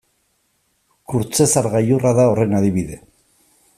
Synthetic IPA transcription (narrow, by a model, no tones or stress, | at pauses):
kuɾt͡se̞saɾɣajuraðao̞re̞naðiβiðe̞